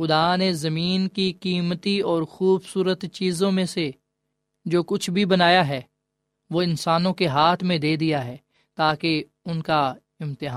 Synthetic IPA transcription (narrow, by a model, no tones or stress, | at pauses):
xʊd̪aːnezɐmiːnkikiːmət̪iɔːɾxuːbsuːɾət̪t͡ʃiːzõmẽse | d͡ʒoːkʊt͡ʃʰbʱibɐnaːjaɦɛː | ʋoːɪ̃nsaːnõkeɦaːt̪ʰmẽd̪eːd̪ijaɦɛː | t̪aːke | ʊnka | ɪmt̪ɪɦaː